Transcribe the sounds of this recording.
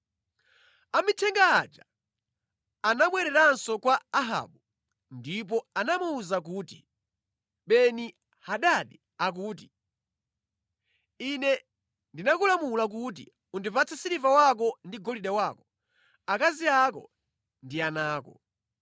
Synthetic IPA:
amitʰɛŋɡaːd͡ʒa | anamwɛɾɛɾansɔkwaːɦa̰ːɓu | ndip̬ɔanamuːzak̬uːtḭ | ɓɛni | haɗaɗi | ak̬uːt̬i | inɛ | ndinakulamulak̬utḭ | undipat͡sʰasiɾivawak̬ɔndiɡɔliɗawakɔ | akaziakɔ̰ | ndianaːkɔ̰

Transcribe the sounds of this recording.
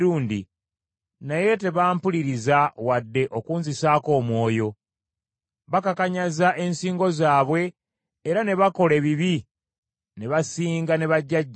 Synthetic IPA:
ɾuːndḭ | naje̞te̞βaːmpuliɾizawadːe̞ʔokuːnzisaːko̞ːmwo̞ːjo̞ | βakakaɲazaʔe̞nsiːŋɡo̞zaːβwe̞ː | ɾane̞βako̞le̞βiβi | ne̞βasiːŋɡane̞βaɟːaɟː

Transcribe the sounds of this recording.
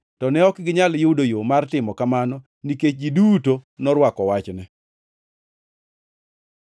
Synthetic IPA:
tɔnɛɔkɡɪɲaljʊdojomartɪmɔkamanɔ | niket͡ʃɡiduːtonɔɾwakɔwat͡ʃnɛ

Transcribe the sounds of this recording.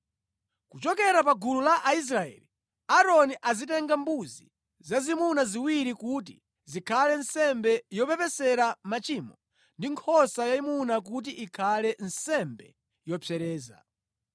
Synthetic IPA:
kut͡ʃɔkɛɾapaɡululaʔais̬ɾaɛ̰li | aɾɔniʔazit̬ɛŋɡambuzḭ | zazimunaziwiɾikut̬i | zikʰalɛnsɛmbɛjɔpɛpɛsɛɾamat͡ʃiːmɔ | ndiŋkʰɔsajaimunak̬ut̬iʔikʰalɛnsɛmbɛ | jɔpʰɛɾɛːza̰

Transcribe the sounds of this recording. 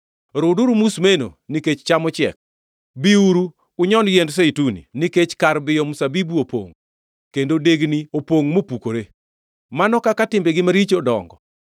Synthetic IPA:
ɾʊduɾumusmeno̰niket͡ʃt͡ʃamɔt͡ʃɪɛ̰k̚ | biuɾu | kʊɲɔnjendseitunḭniket͡ʃkaɾbɪjɔmusabibuopwo̰ŋ | kendodeɡniopwoŋmopukoɾe | manɔkakatɪmbeɡɪmaɾit͡ʃodɔ̰ŋɡɔ̰

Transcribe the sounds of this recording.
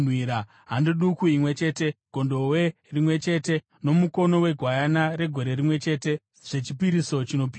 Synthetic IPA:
nwiɾa | ɦandiɗukuimwe̞t͡ʃe̞ːte̞ɡ̥ʱo̞ndo̞we | rimwe̞t͡ʃe̞te̞ | no̞muko̞no̞we̞ɡʱwajanaɾe̞ɡʱo̞ɾe̞rimwe̞t͡ʃe̞ːte̞ | ʐ̥e̞t͡ʃipiɾiso̞t͡ʃino̞pi

